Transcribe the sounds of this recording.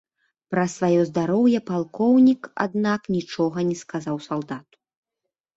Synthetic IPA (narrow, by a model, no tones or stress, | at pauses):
pɾɐsvajɔzd̪aɾɔwjɐpalˠkɔwnʲika̰d̪naknʲit͡ʂɔɣɐnʲɛskazawsalˠd̪at̪u̥